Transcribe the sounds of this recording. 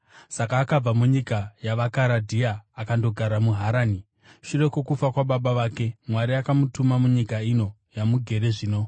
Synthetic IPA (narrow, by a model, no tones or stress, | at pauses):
sakaːkab͡vamuɲikajaʋakaɾadʱiaːkando̞ɡʱaɾamuɦaɾaːni | ʃure̞ko̞kufakwaɓaɓaʋaːke̞mwaɾiakamutumamuɲikaino̞ | jamuɡʱe̞ɾe̞ʐiːno̞